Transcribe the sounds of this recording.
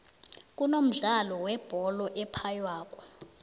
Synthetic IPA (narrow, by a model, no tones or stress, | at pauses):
k̬unom̩ɮalɔwɛb̥ʱɔlɔʔɛpʰajwaːk̬ʼɔ̥